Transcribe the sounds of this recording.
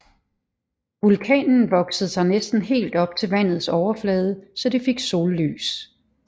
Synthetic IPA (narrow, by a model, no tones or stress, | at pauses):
ʋulkʰɛ̰ːnn̩ʋɒ̽ɡ̥səð̩ˠsɑ̈ɪnesd̥n̩ɦe̝̰ːld̥ɒ̽b̥̚t͡sʰe̝lʋæn̰ð̩ˠsɒʊɐflɛːð̞ˠəsɒ̽d̥ife̝ɡ̥so̝̰ːlːy̰ːs